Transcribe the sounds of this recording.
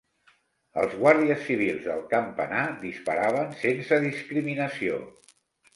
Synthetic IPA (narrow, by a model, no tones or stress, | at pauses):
ə̰lˠzɣwaɾðiəsːiβ̞ilˠzðə̰lˠkəmpə̰nad̪ispəɾaβ̞ənsensəðiskɾiminəsio̰